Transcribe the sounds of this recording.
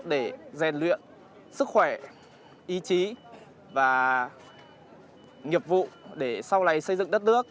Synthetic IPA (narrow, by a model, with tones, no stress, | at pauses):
ɗe˧˩zɛ˨˩nlwḭ˧˨ən | sɨ˦˥k̚xwɛ˧˩ | ʔi˨˦t͡ɕi˨˦ | vaː˨˩ | ŋi˨˩əp̚vṵ˧˨ɗe˧˩sa˧wla˨˩jsə˧jzɨ̰˧˨ŋɗə˦˥t̚nɨ˦˥ək̚